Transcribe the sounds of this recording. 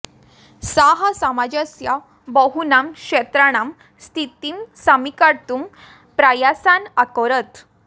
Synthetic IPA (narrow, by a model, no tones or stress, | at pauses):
saɦasamad͡ʑəsja | bəɦunamkɕet̪ɾaɽ̃am | st̪ʰit̪iːmsamikaɾt̪um | pɾajasanakɔɾət̪